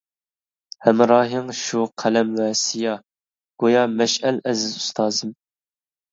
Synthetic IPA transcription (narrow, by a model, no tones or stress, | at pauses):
hɛmɾɑːɦɨŋʃuqʰælɛmwɛsijɑ | ɡ̥ojɑːmɛʃɛlɛzɪzust̪ʰɑːzɨm